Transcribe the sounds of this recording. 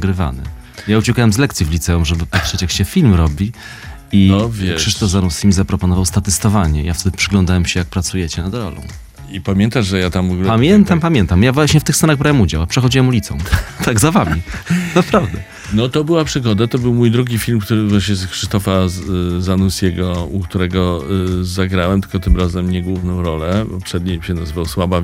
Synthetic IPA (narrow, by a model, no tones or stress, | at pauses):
ɡɾɘva̰nɘ̰ | jaut͡ɕɛkawɛmzlɛk̚t̪sʲjivlʲit̪sɛumʐɛbɘpat̪ʂɛt͡ɕjakɕɛfʲilmɾɔbʲi | ivʲɛkʂʂɘʂt̪ɔvzanusʲimʲizapɾɔpɔnɔvawst̪at̪ɘst̪ɔvaɲɛ̰ijaft̪ɛd̪ɘpʂɘɡlɔnd̪awɛmɕɛjak̚pɾat̪sujɛt͡ɕɛnad̪ɾɔ̰lɔ̰̃w̃ | ipamʲjɛnt̪aʐʐɛjat̪amvɡupamʲjɛnt̪ampamʲjɛnt̪amjavwaɕɲɛft̪ɘxsɛnaɣbɾawɛmud͡ʑawapʂɛxɔd͡ʑiwɛmulʲit̪sɔ̰̃w̃t̪aɡzavamʲinapɾavd̪ɛ | nɔt̪ɔbɘwapʂɘɡɔd̪at̪ɔbɘwmujd̪ɾuɡʲifʲilmkt̪uɾɘvwaɕɲɛzxʂɨst̪ɔfazanusʲjʲɛɡɔukt̪uɾɛɡɔzaɡɾawɛmt̪ɘ̥lkɔt̪ɘmɾazɛmɲɛɡwuvnɔ̃w̃ɾɔlɛpɔpʂɛd̪̚ɲejɕɛnazɨvawswaba